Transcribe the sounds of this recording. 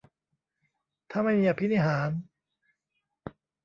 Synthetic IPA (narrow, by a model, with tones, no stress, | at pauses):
t̪ʰa˥˩ma˥˩jmiː˧ʔa˧pʰi˦˥niː˧˥˩ɦaː˩˦n